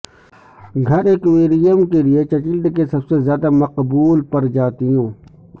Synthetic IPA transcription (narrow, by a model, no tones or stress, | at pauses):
ɡʱɐɾeːkweːɾijəmkeliet͡ʃɐkɪlɖ̪kesɐbsezjaːd̪amɐqbuːlpɐɾd͡ʒaːt̪iɦũː